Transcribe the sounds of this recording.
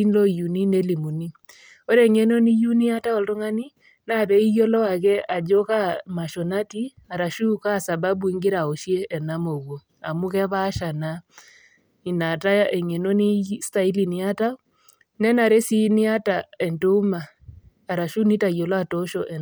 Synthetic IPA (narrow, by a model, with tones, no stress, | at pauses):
i˦nlɔ˦˨ju˨ni˦ne˦li˨mu˨ni˦ | o˦ɾɛ˨ŋɛ˦no˦ni˦ju˦ni˦a˦ta˦ɔ˨lto˦ŋa˦ni˦ | na˦˨ðɛ˦i˦jɔ˦lɔ˦wa˨kɛ˦a˨d͡ʒo˦ka˦ma˨ʃɔ˨na˦ti˦ | a˨ɾa˨ʃu˦ka˦˨sa˨βa˦bu˦i˦ŋɡe˦ɾa˨o˨ʃjɛ˦ʔɛ˨na˦mo˨ɣo˨ | a˨mu˦kɛ˦βa˦ʃa˨na˦ | i˨na˨ta˦ɛ˨ŋɛ˨no˦ni˦sta˦i˦li˨ni˨˦a˦ta˦ | nɛ˦na˨ɾe˦si˦ni˦a˦ta˨ɛ˨nto˦u˦maː˨ | ɾa˨ʃu˦ni˦ta˨i˨jɔ˨la˦tɔ˦ʃɔ˨ʔɛ˨